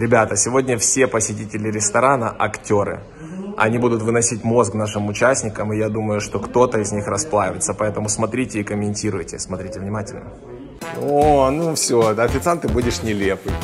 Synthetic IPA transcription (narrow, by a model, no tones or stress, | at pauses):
ɾʲɪbʲat̪əsʲɪvo̞dʲnʲəfsʲe̞pəsʲɪtʲitʲɪlʲɪɾʲɪst̪ɐɾanəʔɐktʲo̞ɾɨ̰ | ɐ̰nʲibud̪ʊt̪vɨnɐsʲitʲmo̞sknaʂɨmʊt͡ɕæsʲnʲɪkəmɨjad̪uməjʊʂt̪o̞kt̪o̞t̪əɪzʲnʲixɾɐsplˠavʲɪt̪səpɐɛt̪əmʊsmɐt̪ɾʲitʲɪːkəmʲɪnʲtʲiɾʊjtʲɪsmɐt̪ɾʲitʲɪvnʲɪmatʲɪlʲnə̰ | onufsʲoɐfʲɪt̪sant̪ɨbudʲɪʂnʲɪlʲepɨj